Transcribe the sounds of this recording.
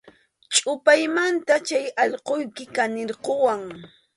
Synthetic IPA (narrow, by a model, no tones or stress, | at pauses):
t͡ʃʼʊpajmant̪at͡ʃajɑʎqojkɪkanɪɾqowaŋ